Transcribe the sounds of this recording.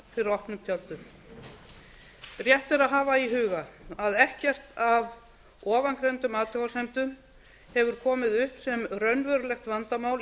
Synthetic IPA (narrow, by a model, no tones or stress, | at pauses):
fɪɾɪɾɔhpnʏmt̪ʰjalt̪ʏ | rjɛht̪ɛɾaðɦaːvaiɦʏːɣaaðɛhcɛr̥t̪ʰav | ɔːvankɾejnt̪ʏmaːt̪ʰɔwasɛmt̪ʏm | hɛvʏɾ̥kʰɔːmɪðʏhpsɛmrœɥnvœɾlɛxt̪vant̪amaːwl